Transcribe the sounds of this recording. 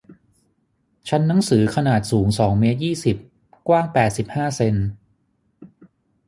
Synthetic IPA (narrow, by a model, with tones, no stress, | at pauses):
t͡ɕʰa˦˥nːa˩˦ŋsɯː˩˦kʰa˧naː˨˩t̪̚suː˩˦ŋsɔː˩˦ŋmeː˦˥t̪̚jiː˥˩si˨˩p̚ | kwaː˥˩ŋpɛː˨˩t̪̚si˨˩p̚haː˥˩se˧n